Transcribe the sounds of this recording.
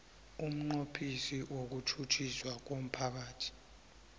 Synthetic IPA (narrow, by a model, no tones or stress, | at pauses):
um̩ŋ͡ǃopʰisiwok̬utʰut͡ʃʰiswak̬om̩pʰak̬aːtʰi̥